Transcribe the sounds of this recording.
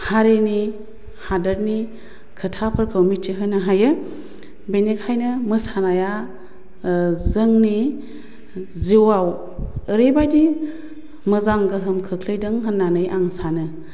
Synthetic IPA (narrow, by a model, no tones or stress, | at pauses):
haɾeni | hadəɾni | kʰɯtʰapʰɯɾkʰɯwmitʰiɦɯjnaɦajɯ | benekʰajnɯmɯsanaja | zɯŋni | ziwaw | əɾebajdi | mɯzaŋɡɯɦɯmkʰɯkʰlɯjdɯŋɦɯnːanɯjʔaŋsanɯ